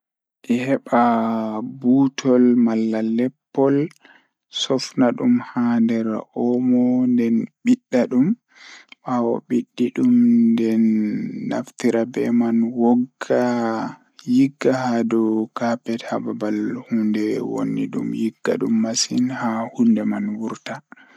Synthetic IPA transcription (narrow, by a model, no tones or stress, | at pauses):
ʔɛhɛɓa | butʰɔlmalːalɛpːɔl | sɔfnaɗumhandɛɾʔɔmɔndɛnɓiɗːaɗum | ɓawɔ̰ɓiɗːiɗumndɛnːa̰ftiɾabɛ̰manwɔɡa | jiɡːahadɔkapɛthababalhundɛwo̰nːḭɗṵmjiɡːa̰ɗumːasinhahundɛmanwuɾta